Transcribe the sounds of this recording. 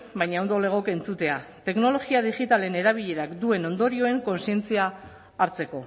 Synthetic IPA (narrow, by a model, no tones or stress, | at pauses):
bajɲawnd̪ole̞ɣ̞o̞ke̞nt͡sut̪e̞at̪e̞kno̞lo̞ɣiaðiɣit̪ale̞ne̞ɾaβ̞iʎe̞ɾakd̪ue̞no̞nd̪o̞ɾio̞e̞ŋko̞nsie̞nt͡siaː | ɾt͡se̞ko̞